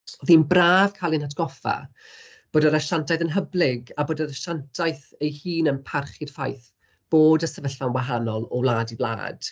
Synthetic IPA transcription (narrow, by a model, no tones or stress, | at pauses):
ɔðiːnbraːv̥kʰalˠinatʰɡ̥ɔfa̰ | b̥oːdəɾaʃantʰajθənɦəblˠɪɡaboːdəɾaʃantʰajθejhiːnənpʰarχɪd̥fajθ | b̥oːdəsəvəɬvanwaɦanɔlˠɔlˠaːdiblˠa̰ːd̥